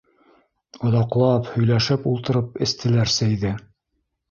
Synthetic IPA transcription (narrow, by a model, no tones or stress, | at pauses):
ŏðɑqlˠɑphɵ̆jlæʃɘpulˠt̪ɤ̆ɾɤpɘ̆st̪ʰɘ̆læɾsæjðɘ